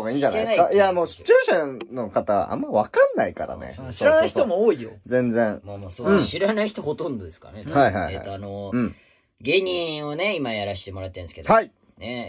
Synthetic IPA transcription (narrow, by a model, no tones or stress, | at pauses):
oɡaĩːɲd͡ʑankajamoːɕi̥t͡ɕoːɕano̞kat̪aβa̰ʔa̰mːaiβakãnːaikaɾa̰nḛsɕoɾanaiçt̪omooːijod͡zẽ̞nd͡zẽŋmamoːsoɯ̃ɕiɾanaiçi̥t̪oho̞t̪õ̞nd̪od̪e̞skaɾnehaiɦa̰iea̰t̪ːoanoɯ̟̃ɴ | ɡe̞ːɲ̟ĩɰone̞imajaɾaɕi̥t̪e̞mo̞ɾat̪ːẽnesked̪hai | ne